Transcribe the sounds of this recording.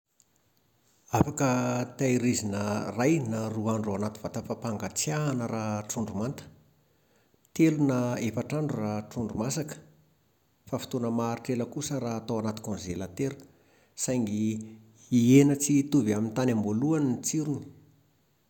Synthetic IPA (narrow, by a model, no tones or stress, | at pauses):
afakət̪ajɾizinərajnaruaɳɖ͡ʐoanat̪i̥v̥at̪afapaŋɡat͡sjaːnəɾaʈ͡ʂuɳɖ͡ʐumant̪ə̥ | t̪elunaefaʈ͡ʂaɳɖ͡ʐuraʈ͡ʂuɳɖ͡ʐumasakə̥ | fafi̥t̪onəmaɾiʈ͡ʂeləkusəɾaːt̪awanat̪i̥kõnzelat̪eɾu̥ | sajŋɡi | ienət͡sit̪uviamint̪anamboluanint͡siɾuni̥